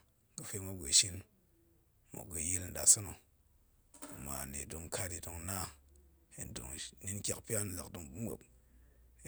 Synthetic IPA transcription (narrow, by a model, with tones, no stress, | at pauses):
ɡɨ˧fe˧mʷa˦ɡʷe˨ʃi˧l | mo̰˨ɡə˧ji˦ln̩˨da̰˨so˦no˨ | ma̰˨nḛ˨do˨˧ŋkʰa˧ti˨do˧ŋna˦ | e˨n˨do̰˨ŋni˦nkʲa˨kpi˦a˦n˨la̰˨kdo˧ŋbu˦mʷo̰˨k̚